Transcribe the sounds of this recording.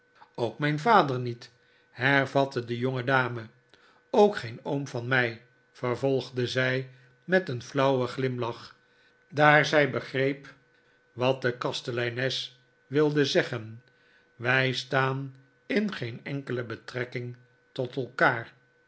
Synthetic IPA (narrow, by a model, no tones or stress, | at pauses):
owkmɛjnvaːdəɹnit | hɛɹvɑtədəjoŋədaːmə | owkχejnowmvɑnmɛj | fəɹvɔlˠχdəzɛj | mɛtənflɑwəχlɪmlɑχ | daːɹzɛjbəχrejp | ʋɑt̚dəkɑstəlɛjnɛs | ʋɪlˠdəzɛχən | ʋɛjstaːn | ɪnχejnɛŋkələbətrɛkɪŋ | tɔtəlˠkaːr